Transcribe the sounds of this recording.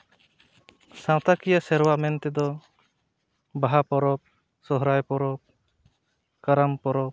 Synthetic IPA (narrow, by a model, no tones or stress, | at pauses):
sãwt̪akijasɛɾwaʔmɛnt̪ɛd̪ɔ | baɦapɔɾɔp̚ | sɔɦɾajpɔɾɔp̚ | kaɾampɔɾɔp̚